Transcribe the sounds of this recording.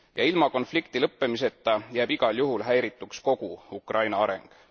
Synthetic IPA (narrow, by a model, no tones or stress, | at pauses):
jɑilmɑko̞nflikt̪ilɤpːe̞mis̬e̞t̪ːˑɑjæːb̥iɡ̥ɑljuɦulɦæjɾit̪ˑːuksko̞ɡ̥uukrʔɑjnɑɑɾe̞̰ŋɡ̥